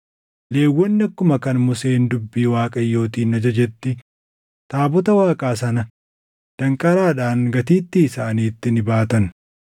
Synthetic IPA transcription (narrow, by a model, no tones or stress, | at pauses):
le̞ːwːɔnːɪɐkːʊmɐkɐnmʊseːnd̪ʊbːiːwaːkʼɐjːo̞ːt̪iːnɐd͡ʒɐd͡ʒɛt̪ːɪ | t̪aːbɔt̪ɐwaːkʼaːsɐnɐ | d̪̥ɐŋkʼɐɾaːᶑaːŋɡɐt̪iːt̪ːiːsaːniːt̪ːɪnɪbaːt̪ɐn